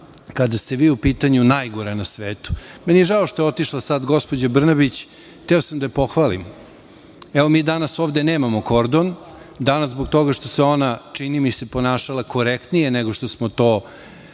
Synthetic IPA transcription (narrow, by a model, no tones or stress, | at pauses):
kad̪ast̪e̞ʋiːupiːt̪aɲunajɡoɾanasʋeːt̪u̥mɛnijeʒaoʃt̪o̞jeo̞t̪iʂlˠasad̪ɡo̞spo̞d͡ʑabr̩nabit͡ɕ | t̪eosamd̪ajepo̞xʋaːlḭm | ɛʋo̞miːd̪anasoːʋd̪e̞neːmamo̞ko̞ɾd̪ond̪anazboɡt̪o̞ɡaʃt̪o̞seo̞nat͡ʂinimisepo̞naːʃalˠako̞ɾekt̪nije̞neɡo̞ʃt̪o̞smot̪o̞ː